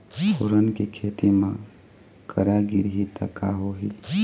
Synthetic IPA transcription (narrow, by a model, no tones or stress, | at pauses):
pʰoɾənkekʰet̪imã | kəɾaɡiɾɦit̪ə̰kaɦoɦil